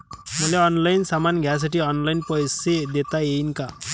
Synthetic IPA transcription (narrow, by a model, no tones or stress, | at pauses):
mʌleɔnlajnsamanɡʱjas̬aʈiɔnlajnpɔjsed̪et̪aeinka